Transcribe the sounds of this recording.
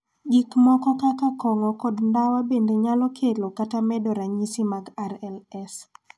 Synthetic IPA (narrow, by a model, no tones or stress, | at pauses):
ɡikmɔkɔkakakɔŋɔkɔdndawabendeɲalɔkʰelokatamɛdɔɾaɲisimaɡaɾɛlɛs